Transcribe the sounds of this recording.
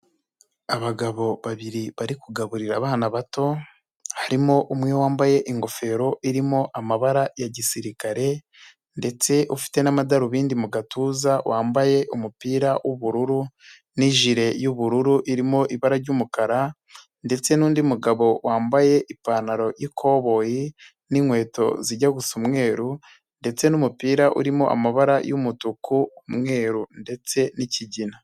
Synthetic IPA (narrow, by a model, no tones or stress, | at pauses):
aβaɡaβo̞βaβiɾiβaɾikuɡaβuɾiɾaːβaːnaβato̞ | haɾimo̞ʔumŋiwaːmbaje̞ʔiŋɡo̞fe̞ːɾo̞ʔiɾimo̞ʔamaβaɾajaɟisiɾikaɾe̞ | nde̞t͡se̞ʔufi̥te̞namadaɾuβiːndimuɡatuːzawʔaːmbaje̞ʔumupiːɾawʔuβuɾuɾu | niʒiɾe̞juβuɾuɾuʔiɾimo̞ʔiβaɾaɾɟumukaɾa | nde̞t͡se̞nuːndimuɡaβo̞waːmbaje̞ʔipanaɾo̞jikʰo̞ːβo̞ji | niŋwe̞ːto̞̰ziɟaɡusumŋe̞ːɾu | nde̞t͡se̞numupiːɾaʔṵɾimo̞̰ʔa̰maβaɾajumutukumŋe̞ːɾunde̞t͡se̞niciɟina